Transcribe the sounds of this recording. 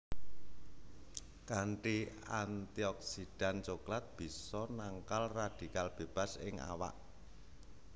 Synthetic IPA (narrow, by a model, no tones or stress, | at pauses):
kaɳʈiant̪iɔk̚sid̥a̤nt͡ʃoklat̪̚b̥i̤sɔnaŋkalrad̥i̤kalb̥eb̥a̤sɪ̰ŋa̰wa̰ʔ